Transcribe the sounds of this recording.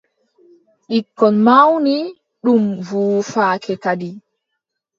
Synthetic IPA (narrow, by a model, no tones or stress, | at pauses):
ɗikːɔnmawni | ɗumvuːfaːkʰɛkadi